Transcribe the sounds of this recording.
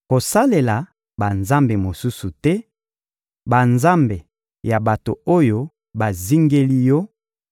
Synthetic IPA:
ko˨sa˦le˨la˨ | ba˨nza˦mbe˨mo˨su˦su˨tɛ˦ | ba˨nza˦mbe˨ | ja˨ba˨to˨o˦jo˦ | ba˨zi˦ŋɡe˦li˦jɔ˦

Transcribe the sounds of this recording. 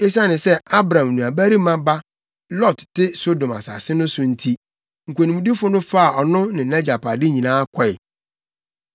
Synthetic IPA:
e˦s̬a˦nɪ̃˨sɛ˦a˦bɾã˨mnũ˨a˨bæ˦ɾi˦mã˦ba˦ | lɔ˦˨ttɪ˦so˦dõ˨ma̰˨sa̰˨sɪ˦nʊ̃˦sʊ̃˨n̩˦tʰi˦ | ŋ̩˨kʷe˨nĩ˨ũ˨di˦fʊ˦nʊ̃˦fa˦a˨ɔ˨nʊ̃˦nɪ̃˨nɛ˦d͡ʑa˨pa˨dɪ˦ɲĩ˨nãː˦a˦kʰɔ˦ɪ˨

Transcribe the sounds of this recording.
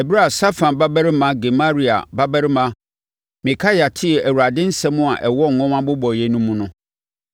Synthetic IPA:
ɛ˨bi˦ɾa˦˨sa˦fã˨nba˦bɛ˦ɾmã˨˦ɡɛ˨ma˦ɾi˨a̰˨ba˦bɛ˦ɾmã˦ | mĩ˨kʰa˦ja˨tʰɪ˦ɛ˨ʔæ˨wu˨ɾa˨dɪ̃˦n̩˦sɛ̃˦mʊ̃˦a˨ʔɛ˨wɔ˦˨ŋ̩˨ŋɔ̃˦mã˦bʊ˦bɔ˨jɛ˨nũ˦mũ˦nʊ̃˦

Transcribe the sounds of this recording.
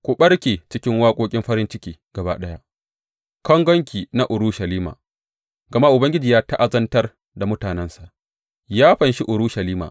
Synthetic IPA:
kʷʊ˨ɓɐ˦ɽkʲeː˨t͡ʃɪ˦kʲɪ˦ŋwaː˦kʷʼoː˦kʲʼɪ˦mɸɐ˦ɾɪ˦nt͡ʃɪ˦kʲiː˨ɡ̥ɐ˨ba̰ː˦ɗɐ˦ja˦ | kɐ˦ŋɡʷɔ˦ŋkʲiː˨na˦ʔʊ˨ɾuː˦ʃɐ˨liː˦ma̰ː˨ | ɡɐ˨ma˦ʔʊ˨bɐ˦ŋɡʲɪ˦d͡ʒiː˨jaː˦ta˦ʔa˨zɐ˦ntɐ˦r | da˨mʊ˦taː˨nɛ˦nsa˨ʔ | jaː˦ɸɐ˨nʃi˦ʔʊ˨ɾuː˦ʃɐ˨liː˦ma̰ː˨

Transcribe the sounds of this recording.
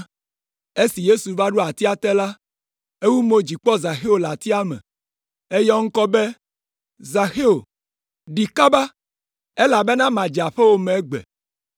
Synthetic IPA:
e˦si˨je˦su˨va˦ɖu˦a˨t̪i˦a˦t̪ɛ˦la˦ | e˦wu˦mo˨d͡ʑi˨k͡pɔ˦za˨xe˦o˨la˨t̪i˦a˦mɛ̰̃˨ | e˦jɔ˦ŋ̩˦kɔ˦be˦ | za˨xe˦o˨ | ɖi˨ka˦ba˦ | e˦la˨be˦nã˦mã˨d͡ʒa˨ɸe˦wo˦mẽ˨˦ɡ͡bɛ̰˨

